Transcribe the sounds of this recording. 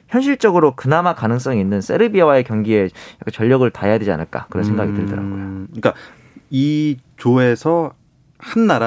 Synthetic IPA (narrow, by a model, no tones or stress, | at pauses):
çjʌnɕʰiɭt͡ɕ͈ʌɡɯɾokɯnamakanɯŋs͈ʌŋiinːɯns͈e̞̰ɾɯbiawae̞kjʌŋɡie̞jakʰant͡ɕʌʎːʌɡɯɭtajaded͡ʑia̰nɯɭk͈a̰kɯɾʌnsʰeŋɡaɡitɯɭdʌ̰ɾa̰ɡo̰jok͈a | it͡ɕoesʰʌ | hanːaɾa